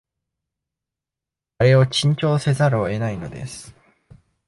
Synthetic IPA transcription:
aɾe̞ot͡ɕĩɲt͡ɕo̞ːse̞zaɾɯoe̞naino̞d̪e̞̰sɨ̥

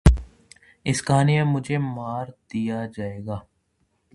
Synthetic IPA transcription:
ɪskaːnejãmʊd͡ʒʱemaːɾd̪ijad͡ʒaːeːɡaː

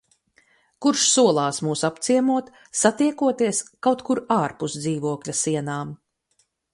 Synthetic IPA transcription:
kuɾʃsuɔlˠaːsmuːsapt̪siɛmuɔt̪ | sat̪iɛkuɔt̪iɛskawt̪kuɾaːɾpusd̪ziːvuɔklʲasiɛnaːm

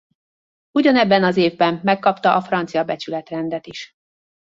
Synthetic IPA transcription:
uɟɒnɛbːɛnɒzeːvbɛmːɛkːɒpt̪ɒʔɒfrɒnt̪sijɒbɛt͡ʃylɛt̪rɛnd̪ɛt̪iʃ

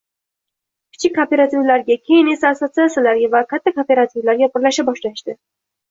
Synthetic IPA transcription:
kʲʰɪ̥t͡ʃʰɪkʲːope̞ɾat̪ʰivlaɾɡʲakʲʰe̞jɪne̞saːsosiasalaɾɡʲavakʲʰat̪ʰːakopeɾat̪ʰivlaɾɡʲapʰʊɾlaʃabɒʃlaɪʃd̪ɪ

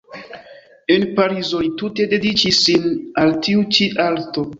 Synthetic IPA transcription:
enpaɾizolitute̞de̞dit͡ʃisinaltiut͡ʃiʔalto̞

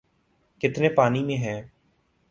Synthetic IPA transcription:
kɪt̪neːpaːniːmẽːɦɛ̃ː

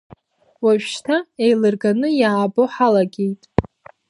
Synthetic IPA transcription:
waʒʃtʰaejlɨrɡanɨjaːboħalaɡʲe̞jtʼ

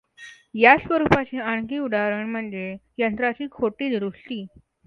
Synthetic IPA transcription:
jasʋəɾupat͡ɕiːaɳkiːuɽʱaɾəɳm̤əɳd͡zejənt̪ɾat͡ɕiːkʰoʈiːd̪ɾuʂʈ̪iː

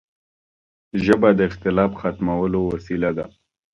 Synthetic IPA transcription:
ʒəbad̪əɪxt̪ɪlɑfxat̪mawəlowasilad̪a̰

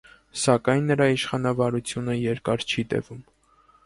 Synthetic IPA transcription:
sɑkɑjnːəɾɑiʃχɑnɑvɑɾut͡sʰjunəjɛɾkɑɾt͡ʃʰit̪ɛ̰vum

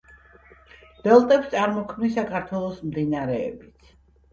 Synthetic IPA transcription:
b̪̥ɛlˠt̪ʼɛpst̪sʼaɾmɔkʰmnisakʰaɾt̪ʰwɛlˠɔsmd̪inaaɾɛ̰ːbit̪sʰ

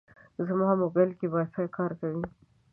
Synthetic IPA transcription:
zamɑmobalkebɑjsajkɑɾkawi

